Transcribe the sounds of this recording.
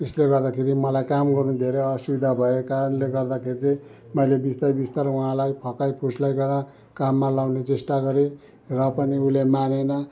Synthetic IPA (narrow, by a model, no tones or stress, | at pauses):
esleɡʌrd̪akʰeɾimʌlajkamɡʌrnud̪ʱeɾeʌsubid̪ʱabʱʌekaɾʌnleɡʌrd̪akʰeɾit͡sʌ̃ | mʌjlebist̪ajbist̪aɾuɦãlajpʰʌkajpʰuslajɡʌrnʌ | kamːalawnet͡sesʈaɡʌɾe | rʌpʌniulemanenʌ